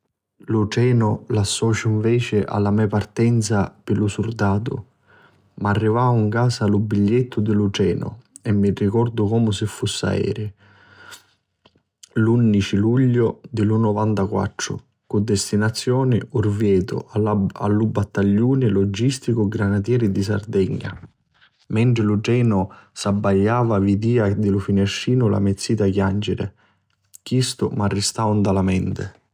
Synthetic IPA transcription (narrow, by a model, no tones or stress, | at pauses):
lut͡ʃɛːnʊlasːɔːt͡ʃʊiɱvɛːt͡ʃɪʔa̰lːamɛpart̪ɛnt̪sapɪlʊsurd̪aːt̪ʊ̰ | maarːivaːuŋkaːsalubːiʎːet̪ʰːʊd̪ɪlʊt͡ʃɛːnʊ̰ | ɛmːirikɔrd̪ʊkɔːmʊsɪfːusːa̰ɛ̰ːɾɪ | lunːit͡ʃiluʎːʊd̪ɪlʊnɔvant̪akwa̰t̪ːɾʊ̰ | kʊd̪ːɛst̪inat̪sːjɔːnɪ̰urvjɛːt̪ʊ̰aaa̰lːubat̪ːaʎːuːnɪlɔd͡ʒːist̪ikʊɡɾanat̪̬jɛːɾɪd̪isa̰rd̪ɛɲːa̰ | mɛɳʈ̪ɾɪlʊd͡ʒɛːnʊsabːaʎːaːvavid̪iːad̪ɪlʊfinɛʃːiːnʊlʔa̰met̪sːiːt̪akjand͡ʒɪɾɪ̰ | kjist̪ʊmarːɪst̪awnd̪alamɛnt̪ɪ